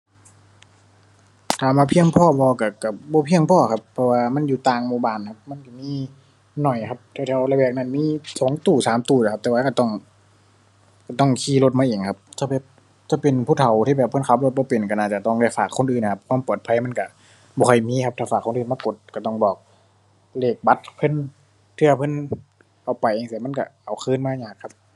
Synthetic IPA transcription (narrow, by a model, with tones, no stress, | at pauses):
k̪ʰaː˨˩maː˧pʰi˧əŋpʰɔː˧˩˨bɔː˧ka˧˩ka˧˩bɔː˧˦pʰi˧əŋpʰɔː˧˨kʰa˧˥pʰːɔ˧waː˧ma˧˥˨njuː˧˩t̪aː˧ŋmuː˧baː˧˩nkʰa˧p̚ma˧˥˨nka˧˩miː˧˥˨ | nɔ˨˩jkʰa˧˥p̚t̪ʰːt̪ʰːʔa˧la˧bɛː˧˩k̚na˧˩nmiː˧˥˨sɔː˨˦ŋt̪uː˨˩saː˨˦mt̪uː˧˩la˨˩a˧p̚t̪ɛː˧waː˧ka˧˩t̪ɔ˧˩ŋ | ka˧˩t̪ɔ˧˥˩ŋkʰiː˧˩lo˧t̪̚maː˧˥˨eː˨˩ŋkʰa˧˥p̚t͡ɕa˧˩bɛː˨˧˩p̚ | t͡ɕa˧˩pe˨npʰuː˧˩t̪ʰa˨˩wt̪ʰiː˧˩bɛː˨˩pʰɤ˧˨nkʰa˧˦p̚lo˧t̪̚bɔː˧˦pe˨˩nka˧˩naː˧˩t͡ɕa˨˧˩t̪ɔ˧˥˩ŋda˧˩jfaː˨˩kʰːo˧˥˨nʔɯː˨˩nʰ˧˩a˧p̚kʰwaː˧˥˨mpɔː˨˩t̪̚pʰa˧˥˨jma˧˥˨nka˧˩ | bɔː˧ha˧˩jmiː˧˥˨kʰa˧˥p̪̚ʰaː˧˩faː˨˩kʰːnʔɯː˨˩˨maː˧ko˨˧˩t̪̚ka˧˩t̪ɔ˧˩ŋbɔː˨˩k̚ | leː˧˩k̚ba˧˥t̪̚pʰɤ˧˥˨n | t̪ʰɯ˧˩ɐpʰɤ˧˥˨n | ʔa˨˩wpa˨jʔeː˧˨ŋsi˧˩ma˧˥˨nka˧˩ʔa˨˩wxʰɯː˧˥˨nmaː˧˨ɲaː˧˩kʰːa˧p̚